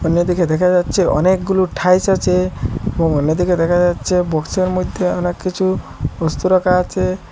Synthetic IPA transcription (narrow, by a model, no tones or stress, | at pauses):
ɔnjɔd̪ikʰed̪ɛkʰad͡ʒat͡ʃʰeɔ̰nekɡuluʈʰajt͡ʃʰɔt͡ʃʰeebɔŋɔnjɔd̪ikʰed̪ɛkʰad͡ʒat͡ʃʰebɔkt͡ʃɔɾmɔjd̪ʱjeɔnekːit͡ʃʰuɔst̪uɾɔkʰat͡ʃʰe